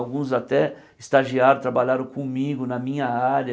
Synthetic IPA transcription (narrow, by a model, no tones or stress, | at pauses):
wɡũzat̪ɛ | ɪst̪aʒiaɾɐ̃t̪ɾabaʎaɾɐ̃w̃kõmiɡʊnɐmĩɲɐaɾɐ